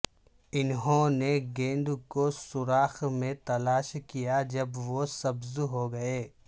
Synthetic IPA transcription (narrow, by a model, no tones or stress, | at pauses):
ɪnɦõneɡẽːnd̪kosʊɾaːxmẽt̪ɐlaːʃkijad͡ʒɐbʋosɐbzɦoɡɐeː